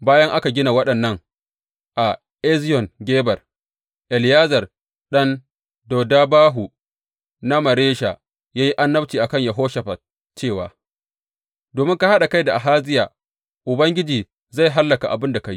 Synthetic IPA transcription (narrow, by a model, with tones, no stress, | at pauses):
baː˦jɐ˦ŋʔa˦ka˨ɡʲɪ˦na˨wɐ˦ɗɐ˨nːɐ˦ŋ | ʔa˨ | ʔɛ˦zɪ˦jɔ˨ŋɡʲeː˦bɐ˨r | ʔɛ˨ljaː˦zɐ˨r | ɗɐ˦n | dɔ˨da˦baː˦ɦu˨ | na˦mɐ˨ɾeː˦ʃa˨ | jaː˦ji˦ʔa˦nːɐ˦b̚t͡ʃiː˨ʔa˨kɐ˦ɲjɐ˨ɦoː˦ʃɐ˨ɸa˨ | t͡ʃeː˦˨wa̰ː˨ | doː˨mɪ˦ŋka˦ha˦ɗa˨ka˦jda˨ʔa˨ɦaː˦zɪ˦jaː˨ | ʔʊ˨bɐ˦ŋɡʲɪ˦d͡ʒiː˨ | za˦˨jɦa˦lːɐ˨ka˨ʔa̰˨bɪ˦nda˨ka˨ji˦